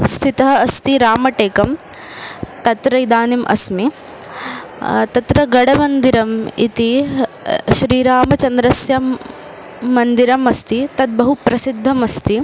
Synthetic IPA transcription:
st̪ʰit̪ɐɦɐɐst̪iɾaːmɐʈeːkɐm | t̪ɐt̪ɾɐid̪aːnimʔɐ̰smi | t̪ɐt̪ɾɐɡɐɽɐmɐnd̪iɾɐmit̪i | ʃɾiːɾaːmɐt͡ʃɐnd̪ɾɐsjɐmː | ɐnd̪iɾɐmɐst̪it̪ɐd̪̚bɐɦupɾɐsid̪ʱːɐmɐst̪i

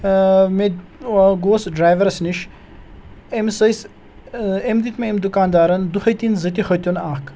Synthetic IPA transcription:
me | ɡoːsɖɾaːjʋɐɾsniʃ | emsəjs | emd̪it̪meemd̪ukaːnd̪aːɾɐnd̪uxəjt̪inzɐt̪ixət̪junaːk

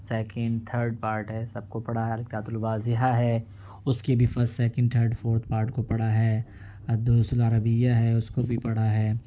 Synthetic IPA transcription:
sɛːkə̃ɳɖt̪ʰəːɾɖ̚paːɾʈɦɛsɐb̚kopɐɽaɦɛɐlɪkʈaːt̪ʊlʋaːzɪɦaɦɛː | ʊskebʱifɐɾsʈsɛːkə̃ɳɖ̚t̪ʰəːɾɖfʰoːɾt̪̚ʰpaːɾʈkopɐɽ̤aɦɛː | ɐd̪oːsʊlaɾəbɪjaɦɛʊskobʱipɐɽ̤aɦɛː

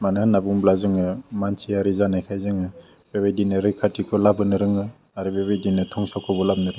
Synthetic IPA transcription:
manaanːabuŋblazɯŋɯmansʰiaɾizanajkʰajzɯŋɯ | b̥ebajdinɯɾɯkʰatikʰɔlabɯnɯɾɯŋɯ | aɾibebajdinɯtʰɔŋsɔkʰɔbɔlab̚nɯɾɯŋ

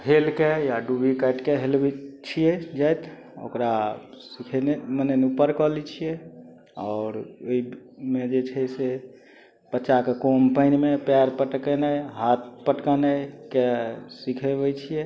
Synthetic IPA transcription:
helkejaɖubikəʈkeɦelbit͡ʃʰijɛd͡ʒajt̪ | o̰kɾa | sikʰɛnemənenupəɾkɔlit͡ʃʰijɛ | ɔʊɾoimed͡ʒet͡ʃʰɛse | pət͡ʃakekompəɪnmepɛɾpəʈkənəjɦat̪̚ʰpəʈkənəkesikʰebɛt͡ʃʰijɛ

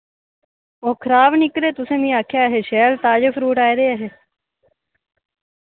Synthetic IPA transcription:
oːkʰəɾaːbnɪkɾeːt̪ʊsẽːmĩːaːkʰjaːɦeːʃɛːlt̪aːd͡ʒəfʰɾuːʈaːiɾeːaɦeː

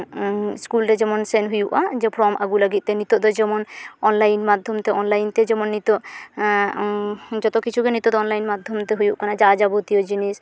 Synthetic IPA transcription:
skulɾɛd͡ʒɛmɔnsɛnɦujuʔad͡ʒɛpʰɾɔmʔaɡulaɡit̪̚ˀt̪ɛnit̪ɔd̪ɔd͡ʒɛmɔnɔnlajnmad̪ʱɔmt̪ɛʔɔnlajnt̪ɛd͡ʒɛmɔnːit̪ɔʔ | d͡ʒɔt̪ɔkit͡ʃʰukenit̪ɔd̪ɔɔnlajnmad̪ʱɔmt̪ɛɦujuʔkanad͡ʒad͡ʒabot̪ijod͡ʒinis

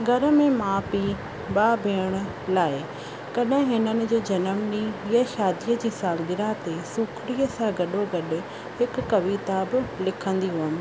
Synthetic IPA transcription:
ɡʱɐɾə̆mẽmãːpi | ɓaːbʱeːəɽ̃ə̆ | laːɪ | kɐɗɪ̃ɦɪnənɪ̆d͡ʑeːd͡ʑɐnəmniiːəʃaːd̪ijəd͡ʑiːsaːlɡɪɾãt̪esuːkʰɽiəsãɡɐɗoɡɐɗʊ̆ | ɦɪkːɐʋit̪abɪ̆lɪkʰə̃nd̪iɦuəmɪ̆

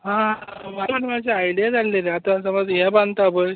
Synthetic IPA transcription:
ɦãmaɾənmad͡ʑʱeajɽijad͡zʱalːeɾeat̪ãsəməd͡zɦɛ̃band̪t̪abəj

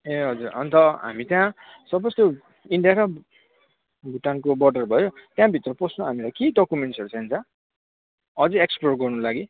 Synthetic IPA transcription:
eɦʌd͡zurʌ̰nt̪ʌɦa̰mit̪jã | sʌbʌst̪o | iɳɖijaɾʌ | bʱuʈankobʌɖʌrbʱʌjot̪jãbʱit̪rʌposõɦamilajkiɖʌkumeɳʈsʌɾut͡sʰaɦint͡sʰʌ̃ | ʌd͡zʌeksplorɡʌrnulaɡi

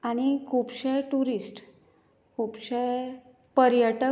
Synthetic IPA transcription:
aɽ̃ikʰupɕajʈuɾisʈ | kupɕaj | pəɾjəʈə

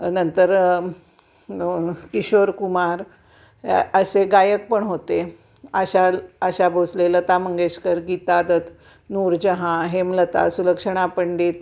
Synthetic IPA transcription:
nənt̪əɾ | kiɕoɾkumaɾ | əseɡajək̚pəɳɦot̪e | aɕaləɕabʱoslelət̪aməŋɡeɕkəɾɡit̪ad̪ət̪ | nuɾd͡ʑəɦãɦemlət̪a̰suləkʂəɳ̃apəɳɖiːt̪̚

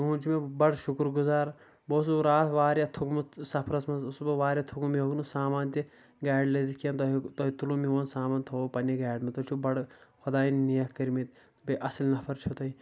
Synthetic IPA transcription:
ũːd͡ʒimebɐɽʃukɾɡuzaːɾ | boːs̬uɾaːt̪ʰʋaːɾʲjat̪ʰukmɐsɐpʰɾɐsmɐusbɨʋaːɾʲjat̪ʰukumioɡnusaːmaːnt̪i | ɡaːɖlezikijɐnt̪ot̪oɦit̪ulumiʋonsaːmaːnt̪ʰoːpɐniɡaːɖmɐt̪ot͡ʃʰubɐɽxʰʊd̪aːinnijɐkkɐɾmit̪ | beʔɐslnɐpʰɐɾt͡ʃʰut̪ɐi

